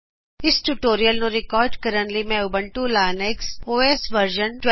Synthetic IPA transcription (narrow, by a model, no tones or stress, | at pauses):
ɪsʈuʈoːɾijəlnoɾɪkɔːɾɖkɐɾəɳlimẽʊbə̃ɳʈulaːneksoːeːsʋəɾʒənʈw